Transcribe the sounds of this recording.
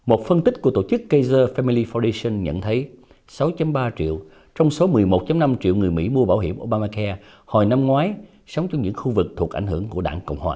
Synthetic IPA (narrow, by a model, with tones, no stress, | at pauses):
mo˨˩t̚fə˧nt̪ï˦˥k̟̚ku˧˩ət̪o̰˧˩t͡ɕɨ˦˥kːə˧jzəː˧fɛ˧mi˧li˧fɔ˧di˧sə˧nɲə̰˧˨nt̪ʰə˨˦j | sa˨˦wt͡ɕa˧mɓaː˧t͡ɕḭ˧˨əw | t͡ɕɔ˧wŋ͡mso˨˦mɨ˨˩əjmo˨˩t̚t͡ɕa˨˦mna˧mt͡ɕḭ˧˨wŋɨ˨˩əjmḭ˧˥mu˧əɓaː˧˩whɦḭ˧˩əmʔo˧ɓaː˧maː˧kɛ˧ | ho˨˩jna˧mŋwaː˨˦j | sə˨˦wŋ͡mt͡ɕɔ˧wŋ͡mɲɨ̰˧˥ŋxu˧vɨ˨˩k̚t̪ʰu˨˩ək̚ʔa˧˩ŋ̟hɨ˧˩əŋku˧˩əɗa̰ː˧˩ŋkə̰˧˨wŋ͡mhwa̰ː˨˩